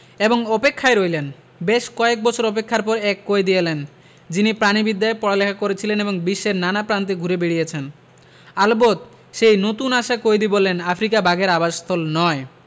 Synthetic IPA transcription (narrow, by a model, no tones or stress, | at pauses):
eboŋɔpekʰːaeɾojlen | beʃkɔek̚bɔt͡ɕʰoɾɔpekʰːaɾpɔɾɛkːoed̪ijelen | d͡ʑinipɾanibid̪ːaepɔɽalekʰakoɾet͡ɕʰileneboŋbiʃːeɾnanapɾant̪̬eɡʱuɾebeɽijet͡ɕʰen | albot̪ | ʃejnot̪unaʃakoed̪ibolːenafʰɾikabʱaɡeɾabaʃst̪ʰolnɔe